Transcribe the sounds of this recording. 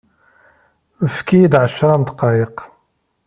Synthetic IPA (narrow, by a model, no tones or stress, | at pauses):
əfkid̪ʕəʃːɾˤɑmt̪qɑjəq